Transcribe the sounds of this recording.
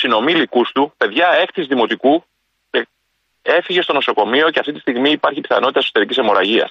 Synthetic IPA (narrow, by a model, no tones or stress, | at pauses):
sino̞milikust̪upe̞ðʝɐe̞xθizðimo̞t̪iku | e | e̞fiʝe̞st̪o̞no̞so̞ko̞mio̞ceɐft̪it̪ist̪iɣmiːpɐɾçipi̥θɐ̰no̞t̪it̪eso̥t̪eɾicisemo̞ɾɐʝiɐ̰s